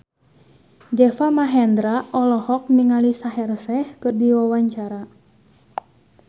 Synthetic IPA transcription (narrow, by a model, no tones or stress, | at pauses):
d͡ʒɛfamaɦɛnd̪ɾaʔɔlɔhɔk̚niŋalisaɦɛrsɛhkɨrdiwawaɲt͡ʃaɾa